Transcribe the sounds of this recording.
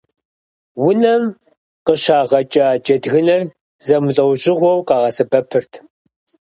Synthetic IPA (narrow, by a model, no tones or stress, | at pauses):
wʊnɐm | qəʃaːʁɐt͡ʃʼat͡ʃʼɐdɣɨnɐr | zɐmɬʼɐwʑʼɪʁʷɔwqɑːʁɐsɨbɐpʰɨrtʰ